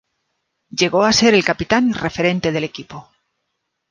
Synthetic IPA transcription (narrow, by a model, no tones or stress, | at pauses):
ɟ͡ʝe̞ɣo̞ase̞ɾe̞lkapit̪anre̞fe̞ɾẽ̞nt̪e̞ðe̞le̞kipo̞